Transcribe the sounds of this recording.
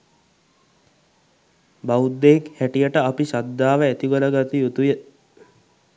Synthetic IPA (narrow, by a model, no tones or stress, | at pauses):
baud̪ːeekhæʈijəʈəapisad̪ːaːʋəæt̪iɡoləɡat̪ijut̪ujə